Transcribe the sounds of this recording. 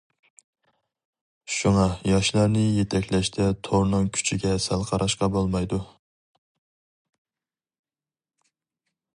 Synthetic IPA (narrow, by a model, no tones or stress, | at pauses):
ʃuŋɑjɑʃlˠɑɾnɨjet̪ʰɛkʲlɛʃt̪ʰɛt̪ʰoɾnɨŋkʲʰy̥t͡ʃʰiɡʲɛsælˠqʰɑɾʔɑʃqɑbolˠmɑjd̪u